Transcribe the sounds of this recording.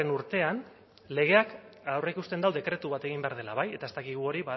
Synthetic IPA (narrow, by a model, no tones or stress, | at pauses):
enuɾt̪e̞an | le̞ɣ̞e̞ak | awre̞ikust̪e̞nd̪awðe̞kɾe̞t̪uβat̪e̞ɣimbe̞aɾð̞e̞laβaje̞t̪at̪akiɣ̞uo̞ɾiβa